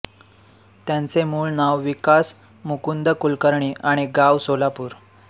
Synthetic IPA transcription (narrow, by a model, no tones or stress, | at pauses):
t̪jãnt͡semuːɭnaʋʋikas | mukund̪əkulkəɾɳ̃iːʔaɽ̃iɡaʋsolapuːɾ